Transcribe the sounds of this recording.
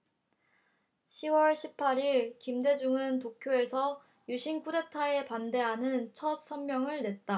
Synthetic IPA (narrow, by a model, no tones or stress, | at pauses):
ɕʰiwʌɭɕʰip̚pʰaɾiɭkimde̞d͡ʑuŋɯntokʰjoe̞sʰʌ | juɕʰink͈udetʰae̞pande̞ɦanɯnt͡ɕʰʌt̚s͈ʰʌnmjʌŋɯɭne̞t̚t͈a